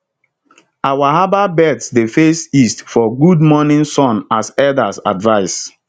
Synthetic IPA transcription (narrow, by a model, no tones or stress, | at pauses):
awaɦababɛdsdefesistfɔɡud̚mɔnɪ̃nsɔ̃nasɛdasa̰dvaɪs